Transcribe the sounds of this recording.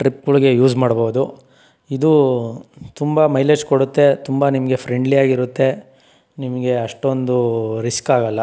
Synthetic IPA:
ʈɾip̚ɡuɭɡe̞juːd͡ʒmaːɽboːud̪u | id̪u | t̪umbɐmɐjled͡ʒkoɽut̪ːe̞t̪umbɐnimɐɡe̞pʰɾeɳɖlijaːɡiɾut̪ːe̞ | nimɐɡe̞ɐʂʈo̞nd̪uɾiskaːɡɐlːɐ

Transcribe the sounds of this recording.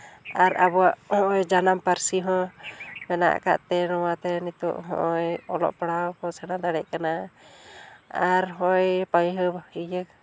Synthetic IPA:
aɾabɔwaʔhɔ̃ʔɔjd͡ʒanampaɾsiɦɔ̃mɛna̰ʔka̰ʔt̪ɛnɔwat̪ɛnit̪ɔ̰ʔɦɔ̰̃ʔɔjɔlɔ̰ʔpaɽawkɔsaɽad̪aɽɛʔ̚kana | aɾɦɔjpajɦəbid͡ʒək̚

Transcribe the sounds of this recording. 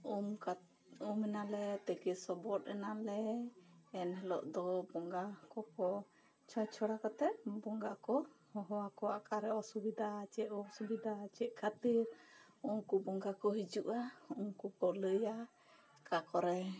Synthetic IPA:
umka | umɛnalɛt̪əkɛsɔbɔt̪ɛnalɛ | ɛnɦɛlɔ̰ʔd̪ɔbɔŋɡakɔkɔ | t͡ʃʰɔjt͡ʃʰɔɽakɔt̪ɛbɔŋɡaʔkɔhɔɦɔwakɔakaɾɛɔsubid̪at͡ʃɛʔ̚ɔsubid̪at͡ʃɛʔ̚kʰat̪iɾ | umkubɔŋɡakɔɦid͡ʒuʔaumkukɔləja | kakɔɾɛ

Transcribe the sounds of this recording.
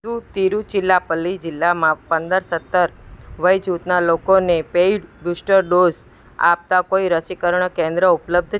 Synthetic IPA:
dũt̪iɾut͡ʃɪlːapəlːid͡ʒɪlːamãpənd̪əɾsət̪ːəɾʋəjd͡ʒut̪nalokonepeiɖbusʈəɾɖoz | a̰p̚t̪akoiɾəsikəɾəɳ̃kẽnd̪ɾəʊpləb̚d̪ʱ

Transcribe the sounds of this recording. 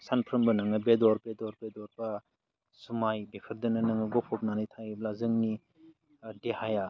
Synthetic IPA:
sanpʰɾɯmbɐnɯŋnɐbedɔɾbedɔɾbedɔɾbɐ | sumajbepʰɯɾdɯnɐnɯŋnɐɡɔpʰɔp̚nanijtʰajiblazɯŋni | dehaja

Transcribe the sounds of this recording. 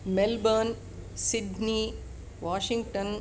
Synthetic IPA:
melbən | siɖni | ʋaːʃĩŋɡʈən

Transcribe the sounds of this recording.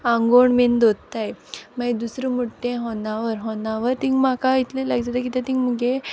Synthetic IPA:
ãŋɡoɳmend̪od̪t̪ajmad̪usɾəmuʈːẽɦɔnaʋəɾɦɔnaʋəɾt̪ĩŋɡmakait̪lelaɡd͡zat̪akit̪ãt̪ĩŋɡməɡe

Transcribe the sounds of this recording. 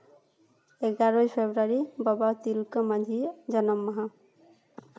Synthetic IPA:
eɡaɾɔjpʰebɾaɾibɔbat̪ilkɔmad̪ʱid͡ʒʌnɔmːɔɦa

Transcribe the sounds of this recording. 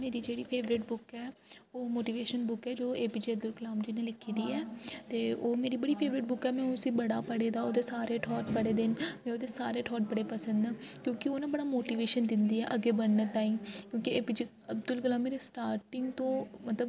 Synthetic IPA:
meːɾiːd͡ʒeːɽiːpʰeːʋɾɪʈbʊkɛːoːmoːʈiːʋeːʃənbʊkɛːd͡ʒoːeːpiːd͡ʒiːəbd̪ʊlkəlaːmd͡ʒinẽːlɪkʰːiːd̪iːɛːt̪eːoːmeːɾiːbəɽiːpʰeːʋɾɪʈ̚bʊkɛːmɛ̃ːosĩːbəɽaːpəɽeːd̪aːoːd̪eːsaːɾeːʈʰɔːʈpəɽeːd̪ɪnmɛ̃ːoːd̪eːsaːɾeːʈʰɔːʈ̚bəɽeːpəsə̃nd̪ɛː | kjõːkɪoːnãːbəɽaːmoːʈiːʋeːʃənd̪ɪnd̪iːɛ̰ːʔəɡːeːbənneːt̪aːĩːkjõːkɪeːpid͡ʒiː | əbd̪ʊlklaːmːeːɾeːsʈaːɾʈɪŋɡt̪õːmət̪ləb

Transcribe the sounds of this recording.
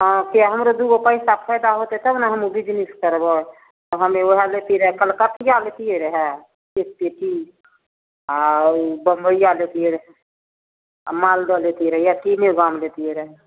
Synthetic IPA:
ɦɔ̃kiɦəmɾod̪uɡopəɪsapʰəɪd̪aɦot̪et̪əbnaɦəmubid͡ʒniskəɾbɔ | t̪ɔɦəmeoɦalet̪iɾəɦɛkəlkəʈ̪ijalet̪ijeɾəɦɛ | kekpeʈi | abəmbəijalet̪ijeɾəɦɛ | malɖɔlet̪iɾəɦɛjakineɡamlet̪ijeɾəɦɛ

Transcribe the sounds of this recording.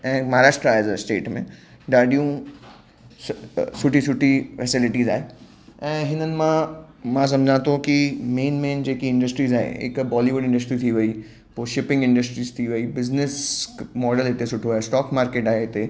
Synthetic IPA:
ɛ̃ːmɐɦaɾaːʃʈɾaːezsʈḛːʈmḛ̃ | ɖaːɖijũ | sʊʈisʊʈifɛsɪlɪʈiːza̰ːɦe | ɛ̃ːɦɪnənɪ̆mã | mãs̬ɐ̃md͡ʒʱãt̪okimeːnmeːnd͡ʒeːkiɪ̃ɳɖəsʈɾiːzaːɦḛɪ̰kbɔːliʋʊɖɪ̃ɳɖəs̬ʈɾit̪ʰiʋɐi | poʃɪpɪ̃ŋɡɪ̃ɳɖəsʈɾiːst̪ʰiʋəiːbɪznɪsmɔːɖəlɪt̪esʊʈʰoaesʈɔːkmaːɾkeːʈaːeɪt̪e

